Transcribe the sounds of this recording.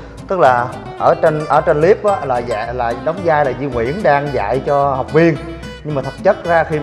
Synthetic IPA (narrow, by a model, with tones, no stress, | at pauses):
t̪ɨ˦˥k̚laː˨˩ | ʔəː˧˩t͡ɕe˧nʔəː˧˩t͡ɕe˧nli˦˥əp̚ʔaː˨˦laː˨˩za̰˧˨jlaː˨˩ɗə˨˦wŋ͡mzaː˧jlaː˨˩zḭ˧ŋwḭ˧˥ənɗaː˧ŋza̰ː˧˨jt͡ɕɔ˧ha˨˩wk͡p̚vi˧ən | ɲɨ˧ŋmaː˨˩˨t̚t͡ɕə˦˥t̚zaː˧xi˧